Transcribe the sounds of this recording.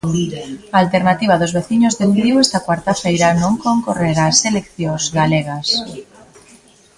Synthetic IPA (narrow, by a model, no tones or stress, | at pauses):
aːlt̪eɾnat̪iβ̞aðʊzβeθiɲozðed̪iwest̪akwaɾt̪afejɾanõŋkoŋkoreɾaselekθjõzɣaleɣas